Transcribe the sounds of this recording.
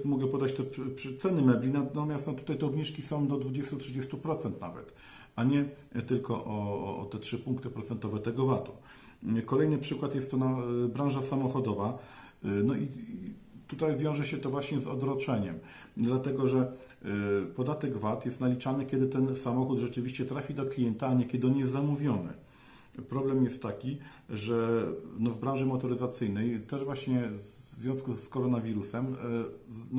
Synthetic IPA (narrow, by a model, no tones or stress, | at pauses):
mɔɡɛpɔd̪at͡ɕt̪ɛpʂt̪sɛnɘmɛblʲinat̪ɔmʲast̪nɔt̪u̥t̪ajt̪ɛɔbɲiʂkʲisɔ̃w̃d̪ɔd̪vud͡ʑɛst̪utʂɘd͡ʑest̪upɾɔt̪sɛnt̪na̰vɛ̰t̪ | aɲɛ | t̪ɘlkɔʔɔɔ̰t̪ɛtʂɘpuŋkt̪ɘpɾɔt̪sɛnt̪ɔvɛt̪ɛɡɔvat̪u | kɔlɛjnɘpʂɘkwat̪jɛst̪ːɔnabɾãʐasamɔxɔd̪ɔva | nɔʔi | t̪ut̪ajvʲjɔ̃w̃ʐɛɕɛt̪ɔvwaɕɲɛzɔ̰d̪ɾɔt͡ʂɛɲɛm | d̪lat̪ɛɡɔʐɛ | pɔd̪at̪ɛɡvat̪jɛst̪nalʲit͡ʂanɘkʲɛd̪ɘt̪ɛnsamɔxut̪ʐɛt͡ʂɘvʲiɕt͡ɕɛt̪ɾafʲid̪ɔklʲijɛnt̪aːɲɛkʲɛd̪ɘɔɲɛzzamuvʲjɔnɘ̰ | pɾɔblɛmjɛst̪ːakʲi | ʐɛnɔvbɾãnʐɘmɔt̪ɔɾɘzat̪sɘjnɛjt̪ɛʐvwaɕɲɛzvʲjɔ̃w̃skuskɔɾɔnavʲiɾusɛm | n